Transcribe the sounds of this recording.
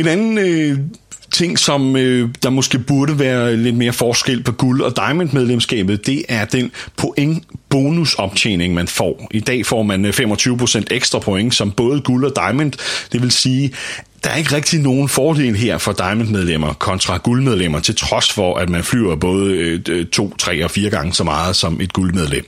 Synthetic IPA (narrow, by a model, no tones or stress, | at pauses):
e̝nænn̩ | t͡sʰe̝ŋ̰sɒ̽mød̥ɑ̈mɒ̽sɡ̥e̝̰ːb̥uɐɾəʋæːɐle̝d̥̚me̝ːɐfɒːsɡ̥el̰pʰɒ̽ɡ̥ulɒ̽d̥ɑ̈ɪmend̥með̞ˠlemsɡ̥ɛ̰ːb̥ð̞̩ˠd̥e̝ʔæɐd̥enpʰo̝ʔeŋb̥o̝ːnusɒ̽b̥̚t͡ɕʰḛːne̝ŋmænfɒ̰ːʔid̥ɛ̰ːfɒ̰ːmænfem̰ɒ̽t͡sʰyːʊpʰʁo̝sen̰d̥eɡ̥sd̥ʁɐ̈pʰoeŋsɒ̽mb̥ɔ̽ːð̞̩ˠəɡ̥ulɒ̽d̥ɑ̈ɪmend̥d̥e̝ʋe̝lsiː | d̥ɑ̈æɐe̝ɡ̥əʁɡ̥̚d̥ino̝ːn̩fɒːd̥e̝̰ːlɦe̝ɐ̰fɒ̽d̥ɑ̈ɪmen̥með̞ˠlem̰ɐkʰɒ̽nt͡sʰʁɑ̈ɡ̥ulmeð̞ˠlem̰ɐt͡sʰe̝lt͡sʰʁɒ̽sfɒ̽ʔæd̥mænfly̰ʊɐb̥ɔ̽ːð̞ˠət͡sʰo̝̰ːt͡sʰʁɛ̰ːɒ̽fiːɐɡ̥ɑ̈ŋəsɒ̽mɑ̈ːð̞̩ˠsɒ̽mʔe̝d̥ɡ̥ulmeð̞ˠlem̰